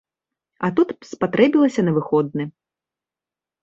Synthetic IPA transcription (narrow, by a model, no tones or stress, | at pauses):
ɐt̪ut̪spat̪ɾɛbʲilˠɐsʲɐnɐvɨxɔd̪̚nɨ